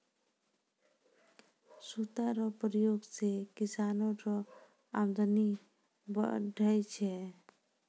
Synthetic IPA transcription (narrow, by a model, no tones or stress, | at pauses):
sut̪aɾɔpɾijoɡsekisanoɾɔ | amd̪ani | bə̰ɖʱəjt͡ʃʰɛ